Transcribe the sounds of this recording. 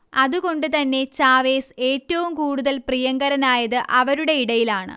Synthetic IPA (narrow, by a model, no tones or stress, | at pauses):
ɐðuko̞ɳɖɨt̪ɐnːe̞t͡ɕaːʋe̞ːse̞ːtːɐʋumkuːɽuðɐlprijɐŋɡɐɾɐnaːjɐðɨʔɐʋɐɾuɽe̞iɽɐjilaːɳɨ̰